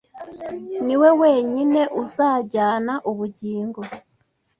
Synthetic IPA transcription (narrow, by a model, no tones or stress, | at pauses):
niweweɲineʔuzaːɟaːnaʔuβuɟiːŋɡo